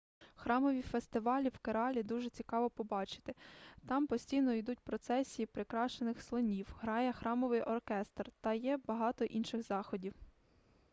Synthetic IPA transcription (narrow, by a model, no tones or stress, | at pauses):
xɾɑmɔʋʲifest̪ɪʋɑlʲiwkeɾɑlʲid̪uʒet͡sʲikɑʋɔpɔbɑt͡ʃɪ̥t̪ɪt̪ɑmpɔsʲtʲijnɔid̪ut̚ʲpɾɔt̪sɛsʲijipɾɪkɾɑʃt͡ʃenɪxslˠɔnʲiwɦɾɑjɛxɾɑmɔʋɪjʔɔrkɛst̪rt̪ɐjɛbɐɦɑt̪ɔʔinʃɪɣzɑxɔdʲiw